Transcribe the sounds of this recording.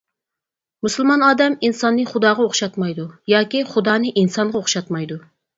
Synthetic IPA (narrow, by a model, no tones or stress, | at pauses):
musɨlˠmɑnɑːd̪ɛminsɑnːɨχʊd̪ɑːʁɑoχʃɑt̪mɑjd̪ujɑːkʲiχʊd̪ɑːnɨʔinsɑɴʁɑoχʃɑt̪mɑjd̪u